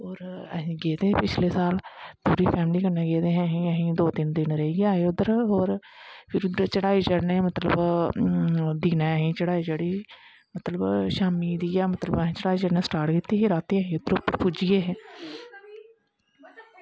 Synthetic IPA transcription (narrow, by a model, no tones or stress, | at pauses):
oːɾəɦĩːɡeːd̪eːɦɛ̃ːpɪt͡ʃʰleːsaːlp̪ʰuːɾiːpʰɛːmliːkəɳẽːɡeːd̪eːɦɛ̃ːɦĩːəɦĩːd̪oːt̪ɪnd̪ɪnɾəɦiɡaːeːʊd̪əɾɦoːɾ | pʰɪɾʊd̪əɾt͡ʃəɽaːiːt͡ʃəɾneːmət̪ləb | d̪iːnaːəɦĩːt͡ʃəɽaːiːd͡ʒəɽiː | mət̪ləbʃaːmiːd̪ijaːmət̪ləbəɦĩːt͡ʃəɽaːiːt͡ʃəɾnẽsʈaːɾʈkɪt̪ːiːɦeɾaːt̪eːəɦĩːʊd̪əɾʊpːəɾpʊd͡ʒijeːɦɛ̃ː